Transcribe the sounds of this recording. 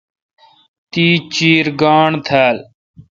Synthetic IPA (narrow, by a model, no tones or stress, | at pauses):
t̪iːt͡ʃiːɾɡaːɳt̪ʰaːl